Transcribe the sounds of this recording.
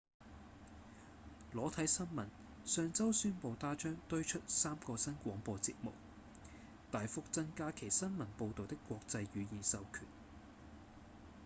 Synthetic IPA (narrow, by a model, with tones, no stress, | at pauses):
lɔː˨˥t̪ʰɐ˨˥jsɐ˥nmɐ˨˩n | sœː˧ŋt͡sɐ˥wsyː˥npo˧wt̪aː˥t͡ʃœː˥ŋt̪ɵ˥ɥt͡ʃʰɵ˥t̚saː˥mkɔː˧sɐ˥nkʷɔː˨˥ŋpɔː˧t͡sḭ˧t̚mʊ̰˨˩k̚ | t̪aː˨jfʊ˨k̚t͡sɐ˥nkaː˥kʰe˨˩jsɐ˥nmɐ˨˩npo˧wt̪o˨wt̪ɪ˥kːʷɔː˧k̚t͡sɐ˧jɥyː˨˧jiː˨˩nsɐ˨˧wkʰy̰ː˨˩n